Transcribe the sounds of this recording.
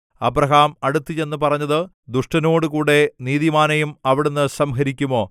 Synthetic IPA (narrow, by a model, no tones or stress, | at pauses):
ɐbrɐɦaːmɐɽut̪ːit͡ɕe̞nːɨpɐrɐɲːɐðɨ | d̪uʂʈɐno̞ːɽɨkuːɽe̞niːðimaːnɐjumɐʋiɽenːɨsɐmɦɐɾikʲːumo̞ː